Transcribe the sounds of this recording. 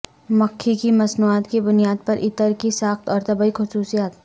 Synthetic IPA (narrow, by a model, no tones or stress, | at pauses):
mɐkʰːikimɐsnuaːt̪kibʊnijaːd̪̚pɐɾʔɪt̪əɾkisaːxt̪ɔːɾt̪ɐbəixʊsuːsijaːt̪